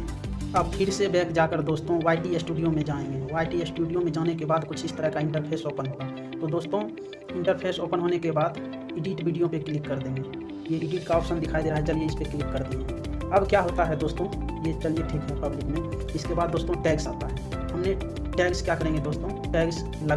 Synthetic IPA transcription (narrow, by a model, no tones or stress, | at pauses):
əːbpʰɪɾsebɛːkd͡ʒaːkəɾd̪oːst̪õwaːɪʈiesʈuːɖijõmẽd͡ʒaːẽɡẽʋaːɪʈiesʈuːɖijõmẽd͡ʒaːnekebaːd̪kʊt͡ʃʰɪst̪əɾəɦkaɪ̃ɳʈəɾpʰeːsoːpənɦoːɡaː | t̪od̪oːst̪õ | ɪ̃ɳʈəɾpʰeːsoːpənɦoːnekebaːd̪ | ɪɖiːʈʋiːɖijõpekɪlɪkːɐɾd̪ẽːŋɡe | jeɪɖiːʈ̚kaɔːpʃə̃nd̪ɪkʰaːid̪eːɾaɦɛt͡ʃəlieɪspeklɪkːəɾd̪ieɐbkjaɦoːt̪aɦɛd̪oːst̪õjet͡ʃəlieʈʰiːkɦɛpɐblɪkmẽ | ɪskebaːd̪̚ːoːst̪õʈɛːksaːt̪aɦɛːɦɐmne | ʈɛːkskjakəɾẽŋɡed̪oːst̪õ | ʈɛːks | lə